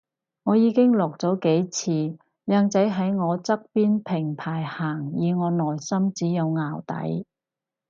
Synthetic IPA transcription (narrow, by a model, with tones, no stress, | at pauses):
ŋɔː˨˧jiː˨˧kɪ˥ŋlɔː˨k̚t͡sɔː˨˥ke˨˥jt͡sʰiː˨˧ | jœː˧ŋt͡sɐ˨˥jɦɐ˨˥jŋɔː˨˧t͡sɐ˥k̚piː˥npʰɪ˨˩ŋpʰaː˨˩jhaː˨˩ŋjiː˨˧ŋɔː˨˧nɔː˨˩jsɐ˥mt͡siː˨˥jɐ˨˧wŋaː˨wt̪ɐ̰˨˥j